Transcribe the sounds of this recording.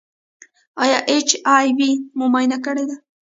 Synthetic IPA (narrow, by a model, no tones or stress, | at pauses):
ɑjɑʔet͡ʃɑjwimʊmajnakəɽed̪a